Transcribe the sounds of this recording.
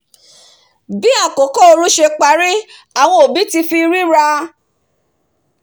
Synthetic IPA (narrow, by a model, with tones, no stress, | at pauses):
bi˦a˦˨ko˨˦kɔ˦o˧ɾu˦ʃe˧k͡pa˨˦ɾi˦ | a˨w̃ɔ̃˧o˨bi˨˦ti˧fi˧ɾi˦ɾa˧